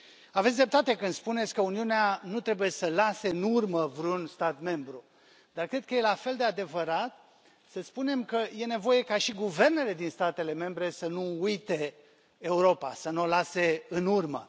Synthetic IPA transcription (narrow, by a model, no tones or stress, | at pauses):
avet̪sʲd̪ɾep̚t̪at̪e̞kɨnd̪spunet̪sʲkəuniuneanut̪ɾe̞buje̞səlase̞ɨnurməvɾunst̪at̪me̞mbɾu | d̪̥arkɾed̪̚kəje̞lafe̞ld̪e̞ad̪e̞vəɾat̪̚ | səspune̞mkəje̞ne̞vo̞je̞kaʃiɡuve̞rne̞le̞d̪inst̪at̪e̞le̞me̞mbɾe̞sənuujt̪e̞ː | uɾo̞pa̰sənuolase̞ɨnurmə̰